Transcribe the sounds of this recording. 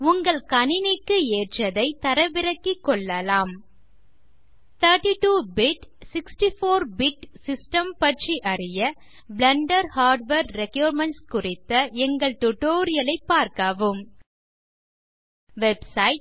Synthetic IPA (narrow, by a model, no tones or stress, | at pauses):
ʊŋɡɐɭkɐnɪnɪkːɯeːʈrɐðɐɪt̪ɐɾɐʋɪɾɐkːikːɔɭːɐlaːm | t̪ʰɐːʈːiʈuːbɪʈsɪksʈifoːɾbɪʈsɪsʈɐmpɐʈt͡ʃiʔɐrɪjɐ | blɐɳɖɐɾhaːɾɖʋeːɾɾɛkjuːɾmɛɳʈskʊrɪt̪ːɐɛŋɡɐɭt̪ʊʈoːɾɪjɐlɐɪpːaːɾkɐʋɯm | ʋɛbsɐɪʈ̚